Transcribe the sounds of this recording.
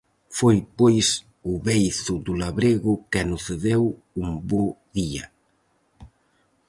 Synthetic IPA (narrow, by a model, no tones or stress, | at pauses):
fojpojs | ʊβejθʊd̪ʊlaβɾeɣʊkanʊθeðew | umboðia̰